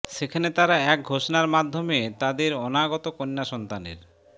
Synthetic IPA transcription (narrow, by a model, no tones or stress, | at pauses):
ʃekʰanet̪aɾaɛk̚ɡʱoʃonaɾmad̪ʱːomet̪ad̪eɾɔnaɡɔt̪okonːaʃɔnt̪anḛɾ